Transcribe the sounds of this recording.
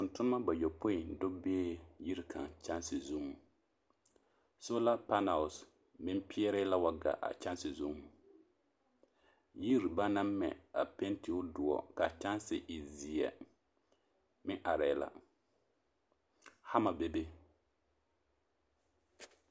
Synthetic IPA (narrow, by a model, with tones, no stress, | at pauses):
tʊ˨ntʊ˦n˦ma˦ba˨jɔ˨po˦ɪ˨n˨do˦beː˦ji˦ɾi˦kʰa̰˨ŋt͡ʃa˦nsɪ˨zu˦mu˨ | so˦la˦pa˦na˨ʊ˨s | mɪ˦m˦pɪ˦ɛ˦ɾɪ˦la˦wa˨ɡa̰˨ʔa̰˨t͡ʃa˦nsɪ˨zu˦mu˨ | ji˦ɾi˨ba˦na˦mɛ̰˨a̰˨pe˦nti˨˦ʊ˦dʊ˨ɔ̰˨ka˨t͡ʃa˦nsɪ˨ʔɪ˨zi˨ɛ̰˨ | mɪ˦ŋʔa˨ɾɛ˨la̰˦ | ha˦ma˨be˦be˦